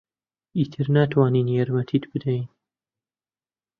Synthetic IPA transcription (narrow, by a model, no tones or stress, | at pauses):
iːt̪ʰɨɾnaːt̪ʰwaːniːnjaɾmɐt̪ʰiːt̪bɨd̪ɛjn